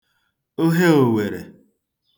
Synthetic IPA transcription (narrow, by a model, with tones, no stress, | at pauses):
o˦ɦe˦o˨we˨ɾḛ˨